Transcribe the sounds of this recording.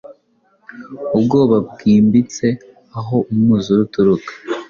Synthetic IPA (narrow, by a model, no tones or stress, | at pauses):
ubɡo̞ːβab̚ɡiːmbit͡se̞ | aɦo̞ʔumŋuːzoɾutuɾukḁ